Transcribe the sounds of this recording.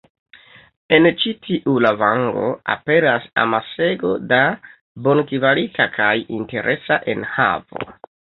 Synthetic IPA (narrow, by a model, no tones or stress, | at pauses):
e̞nt͡ʃitʰiʔulavaŋɡo̞̰a̰pe̞ɾasa̰mase̞ɡo̞da | bo̞nkivalikakʰajinte̞ɾʔe̞saʔe̞̰nha̰vo̞̰